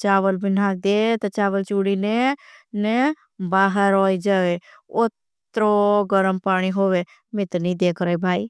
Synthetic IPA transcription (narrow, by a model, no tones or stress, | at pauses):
t͡ʃaːʋəlbʱinãːk̚d̪eːt̪ɐt͡ʃaːʋəlt͡ʃuɽinene | baːɦəɾɔːid͡ʒaːʋe | ʊt̪ | ɾoɡəɾəmpaːɽ̃iɦoːʋe | mɪt̪nĩd̪eːkʰɾəibʱaːi